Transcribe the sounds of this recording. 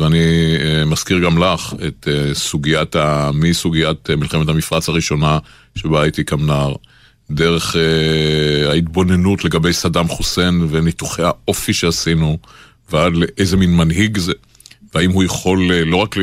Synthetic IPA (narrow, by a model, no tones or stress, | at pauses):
veanimaskiʁɡamlaχet̪esuɡiatamisuɡiatmilχemethamifʁat͡shaʁiʃo̞na | ʃe̞bait̪ikamnaʁ | de̞ʁe̞χe | ait̪bo̞ne̞nutle̞ɡabe̞jsadamχuse̞nvenit̪uχejhaʔo̞fiʃeasinu | veadleʔezeminmanɦiɡze | veaimhujeχo̞lelo̞ʁak